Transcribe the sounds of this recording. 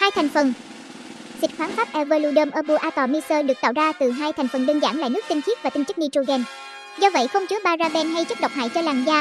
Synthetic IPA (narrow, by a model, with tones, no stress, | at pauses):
haː˧jt̪ʰa˨˩jŋ̟fə˨˩n | sï˨˩k̟̚xwaː˨˦nfaː˦˥p̚ʔɛ˧vəː˧lu˧ɗəː˧mʔəː˧˩ɓu˧˩ʔaː˧t̪ɔ˨˩mi˧səː˧ɗɨ˨˩ək̚t̪a̰˧˨wzaː˧t̪ɨ˨˩ɦaː˧jt̪ʰa˨˩ŋ̟fə˨˩nɗə˧ənza̰ː˧˩˨nla̰ː˧˨jnɨ˦˥k̚t̪ï˧ŋ̟t͡ɕʰi˦˥əvaː˨˩t̪ï˧ŋ̟t͡ɕɨ˦˥k̚ni˧t͡ɕo˧ɣɛ˧n | zɔ˧və̰˧˨jxə˧wŋ͡mt͡ɕɨ˨˦əɓaː˧zaː˧ɓɛ˧nɦa˧jt͡ɕɨ˦˥k̚ɗə˨˩wk͡p̚ɦa̰ː˧˨jt͡ɕəː˧laː˨˩ŋzaː˧